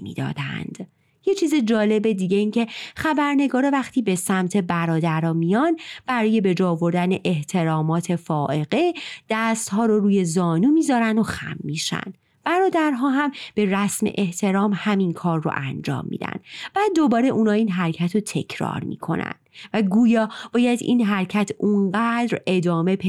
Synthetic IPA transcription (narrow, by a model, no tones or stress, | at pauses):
mḭːd̪ɒ̰ːd̪æ̰nd̪̥ | je̞t͡ʃʰiːzed͡ʒɒːle̞be̞d̪iːɟeiːncʰe̞xæbæɾne̞ɡɒːɾɒvæxt̪ʰiːbe̞sæmt̪ʰe̞bæɾɒːd̪æɾɒːmijɒnb̥æɾɒːje̞be̞d͡ʒɒːovo̞ɾd̪æne̞ʔeht̪ʰe̞ɾɒːmɒːt̪ʰe̞fɒːʔe̞ɣe̞d̪̥æst̪hɒːɾoɾuːje̞zɒːnuːmiːzɒːɾænd̪oxæ̰mːiʃæ̰nd̪̥ | b̥æɾɒːd̪æɾɦɒːɦæmb̥e̞ræsmḛʔe̞ht̪ʰe̞ɾɒːmhæminkʰɒːrːo̰ʔænd͡ʒɒ̰ːmːḭːd̪æ̰nd̪̥b̥æd̪o̞bɒːɾeʔuːnɒːiːnɦæɾcʰæt̪ʰɾot̪ʰe̞̰cʰɾɒ̰ːɾmḭkʰo̞̰næ̰nd̪̥væɡuːjɒːb̥ɒːjæd̪ḭːnɦæɾcʰæt̪ʰunɢæd̪ɾe̞d̪ɒːme̞pʰ